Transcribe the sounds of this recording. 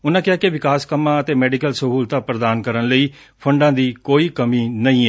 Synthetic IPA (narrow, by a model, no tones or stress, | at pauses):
ʊnãːkɪaːkɪʋɪkaːskəmãːət̪eːmɛːɖɪkəlsəɦuːlt̪aːpɾəd̪aːnkəɾənləiː | pʰəɳɖãːd̪iːkoːiːkəmiːnəĩːɛː